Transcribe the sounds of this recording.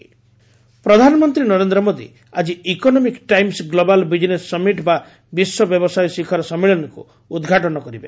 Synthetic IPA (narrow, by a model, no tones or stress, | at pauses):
pɾɔd̪ʱanɔmɔnt̪ɾinɔɾend̪ɾɔmod̪ḭ | ad͡ʒiikɔnɔmikʈajmsɡlobalbid͡ʒnesːɔmiʈba | biswɔbjɔbɔsajɔsikʰɔɾɔsɔmːiɭɔnɔkṵ | ud̪ɡʱaʈɔnɔkɔɾibe